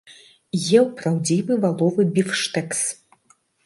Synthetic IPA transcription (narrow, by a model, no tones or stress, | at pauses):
jɛwpɾawd͡zʲivɨvalˠɔvɨbʲifʂt̪ɛks